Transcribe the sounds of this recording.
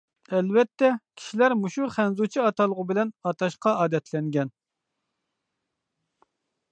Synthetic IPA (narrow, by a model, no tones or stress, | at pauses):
ɛlvɛt̪ʰːɛkʲʰi̥ʃilæɾmuʃuχɛnzut͡ʃʰiɑt̪ɑlˠəʁʊbɪlɛnɑt̪ʰɑʃqɑɑːd̪ɛt̪ʰlɛŋɡʲɛn